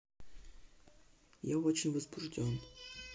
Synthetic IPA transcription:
jaot͡ɕɪnʲvəzbʊʐdʲon

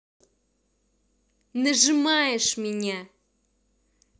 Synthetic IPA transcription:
nɐʐɨmajɛʂmʲɪnʲa

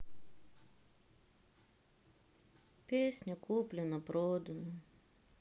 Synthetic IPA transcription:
pʲeːsʲnʲɛkuːpʲlʲɪnɐpɾoːd̪onɐ

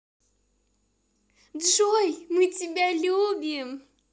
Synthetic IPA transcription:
dʐojmɨtʲibʲalʲubʲim

